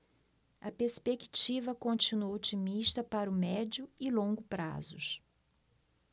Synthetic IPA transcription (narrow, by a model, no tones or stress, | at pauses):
ɐpespeki̥t͡ʃivɐkõnt͡ʃinuɐot͡ʃimiʃt̪ɐpaɾʊmɛd͡ʒʊɪlõɡʊpɾa̰zʊ̰s